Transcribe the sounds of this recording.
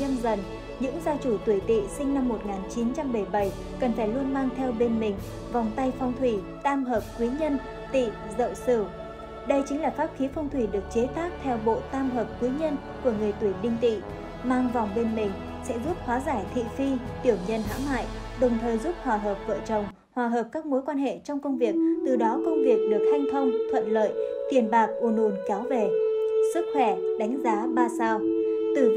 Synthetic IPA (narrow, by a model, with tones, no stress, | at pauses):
ɲə˧nzə˨˩n | ɲɨ̰˧˥ŋzaː˧wt͡ɕu˧˩t̪wi˧˩t̪ḭ˧˨sï˧ŋ̟na˧mːo˨˩t̚ŋaː˨˩nt͡ɕi˨˦nt͡ɕa˧mɓə˧˩jɓə˧˩j | kə˨˩nfaː˧˩jlu˧ənmaː˧ŋt̪ʰɛ˧wɓe˧nmï˨˩ŋ̟ | va˨˩wŋ͡mt̪a˧jfɔ˧wŋ͡mt̪ʰwi˧˩ | t̪aː˧mɦəː˨˩p̚kwi˨˦ɲə˧n | t̪ḭ˧˨ | zə̰˧˨wsɨ˧˩ | ɗə˧jt͡ɕï˨˦ŋlaː˨˩faː˦˥p̚xi˨˦fɔ˧wŋ͡mt̪ʰwi˧˩ɗɨ˨˩ək̚t͡ɕe˨˦t̪aː˦˥k̚t̪ʰɛ˧wɓo̰˧˨t̪aː˧mɦəː˨˩p̚kwi˨˦ɲə˧n | ku˧˩əŋɨ˨˩əjt̪wi˧˩ɗï˧ŋ̟t̪ḭ˧˨ | maː˧ŋvɔ˨˩wŋ͡mɓe˧nmï˨˩ŋ̟ | sɛ̰˧˥zu˦˥p̚hwaː˨˦zaː˧˩jt̪ʰḭ˧˨fi˧t̪i˧˩əwɲə˧nɦa̰ː˧˥ŋma̰ː˧˨jʔɗə˨˩wŋ͡mt̪ʰəː˨˩jzu˦˥p̚hwaː˨˩ɦəː˨˩p̚və̰ː˧˨t͡ɕə˨˩wŋ͡m | hwaː˨˩ɦəː˨˩p̚kaː˦˥k̚mo˨˦jkwaː˧nhḛ˧˨t͡ɕɔ˧wŋ͡mkə˧wŋ͡mvi˨˩ək̚t̪ɨ˨˩ɗɔ˨˦kə˧wŋ͡mvi˨˩ək̚ɗɨ˨˩ək̚ha˧jŋ̟t̪ʰə˧wŋ͡mt̪ʰwə̰˧˨nlə̰ː˧˨jt̪wi˨˩ənɓaː˨˩k̚ʔu˧˨˩no˨˩nkaː˨˦wve˨˩sɨ˦˥k̚xwɛ˧˩ɗa˨˦ŋ̟zaː˨˦ɓaː˧saː˧wt̪ɨ˨˩